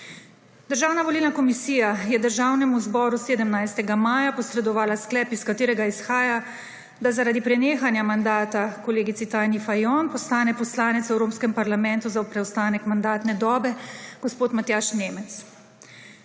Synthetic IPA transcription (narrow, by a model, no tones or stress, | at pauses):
d̪̥əɾʒaːwnaʋɔliːlnakɔmisiːjajɛd̪əɾʒaːwnɛmuzbɔːɾuseːd̪əmnajst̪ɛɡamaːjapɔsɾɛd̪ɔʋaːlasklɛːpiskat̪eːɾɛɡaisxaːja | d̪azaɾaːd̪ipɾɛneːxanjamand̪aːt̪akɔleːɡit̪sit̪ajnifajɔnpɔslaːnɛpɔslaːnɛt̪sɛwɾoːpskɛmpaɾlamɛnt̪uzaupɾɛwst̪aːnɛkmand̪aːt̪nɛd̪ɔːbɛɡ̥ospoːt̪mat̪jaːʃneːmɛt̪s